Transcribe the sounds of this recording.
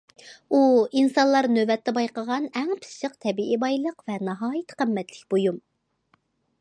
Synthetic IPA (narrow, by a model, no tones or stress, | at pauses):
uinsɑnlˠɑɾnøvɛt̪ːɛbɑjqəʁɑnɛŋpʰɨ̥sʃəqt̪ʰɛbiʔibɑjlˠəqvɛnɑɦɑːjit̪qʰəmːɛt̪lɪkʲbojum